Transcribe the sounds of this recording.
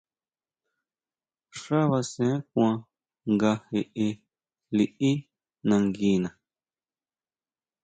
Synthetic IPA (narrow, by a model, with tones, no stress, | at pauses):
ʂa˦βa˧sẽ˦k̚ʷã˧ | ŋɡa˧he˧ʔe˧ | li˨ʔi˦ | nã˧ŋɡi˧˦nã˨